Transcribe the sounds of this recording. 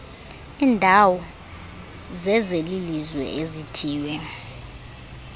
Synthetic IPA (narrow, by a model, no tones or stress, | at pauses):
iːndʱawɔ | zɛzelilizwɛ̰ʔezitʰiːwɛ